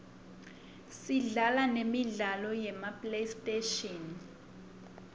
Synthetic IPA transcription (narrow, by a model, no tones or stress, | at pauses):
siɮalanemiɮalɔjɛmapʼlestʼeʃɔn